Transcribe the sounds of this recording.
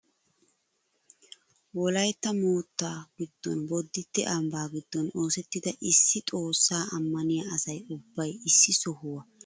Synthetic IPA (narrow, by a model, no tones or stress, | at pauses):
wɔlɐjt̪ːɐmuːt̪ːaːɡ̥ɪd̪̥ːɔ̰nbɔd̪ːɪt̪ːɛʔɐmbaːɡɪd̪ːɔno̞ːsɛt̪ːɪd̪ɐʔɪsːɪt̪ʼo̞ːsːaːʔɐmːɐnɪjɐɐsɐjʊbːɐjɪsːɪsɔhʊwɐ